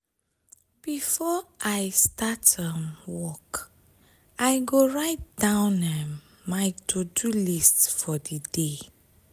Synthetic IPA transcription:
b̥ifɔʔajstatãmwɔk | ajɡoɹaɪt̚d̥ãʊ̃nɛmː | ajtʰodulistfɔdide

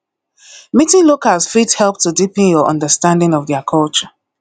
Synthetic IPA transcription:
mitɪ̃lokalsfithɛlˠp̚tʰudipĩnjɔʔɔ̰̃ndəstãndɪ̃ŋɔvðɛəkʰɔlˠt͡ʃə

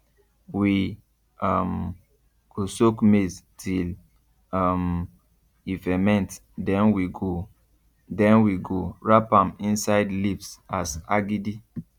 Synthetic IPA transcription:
wi | am | ɡ̥osokmeztʰil | am | ifɛmɛ̃nt | dɛ̃nwiɡo | dɛ̃nwiɡoɹapãmĩnsaɪdlipsasaɡidi

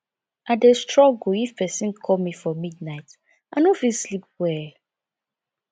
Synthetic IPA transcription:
adestɹɔɡuifpɛsĩnkʰɔmifɔmidnaɪt | anofilslip̚wɛ

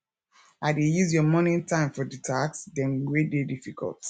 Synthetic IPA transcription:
adejuzjɔmɔnĩntʰãɪ̃mfɔditʰaksdɛ̃nwededifikʰɔ̰lˠt

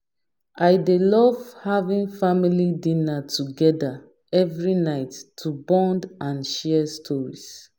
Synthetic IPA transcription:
aɪdelɔvhavĩnfamilidĩnatʰuɡɛda | ɛvɹinaɪtːʰubɔ̃ndãnʃɛɛstʰɔɹis

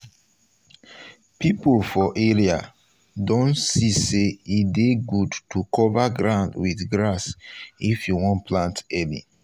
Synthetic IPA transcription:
pipolfɔʔeɹia | dõntsiseideɡudtukʰɔvaɡɹãʊ̃ndwiθɡɹasifjuwɔ̃npʰlãntɛlḭ

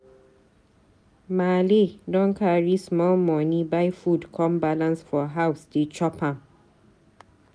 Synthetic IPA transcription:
malidɔ̃nkʰaɹismɔlmɔnibaɪfudkʰɔ̃mbalãnsfɔɦawsdet͡ʃɔpʰãm

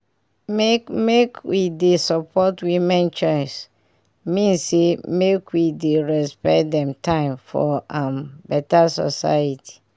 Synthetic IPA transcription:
mekmekwidesɔpʰɔtwimɛ̃nt͡ʃɔɪs | mĩnsemekwideɹɛspɛdɛ̃mtʰãɪ̃mfɔ̰ãmbɛtasɔ̰sa̰jatʰi̥

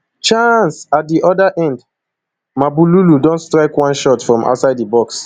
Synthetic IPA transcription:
t͡ʃãnsat̚diʔɔdaʔɛ̃nd | mabululudɔ̃ntstɹaɪkwãnʃɔtfɹɔ̃mʔa̰ʊtsaɪdibɔks

